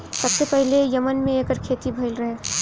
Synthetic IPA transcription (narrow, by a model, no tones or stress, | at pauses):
səbsepəɦlejəmənmẽeːkəɾkʰet̪ibʱəɪlɾɐɦe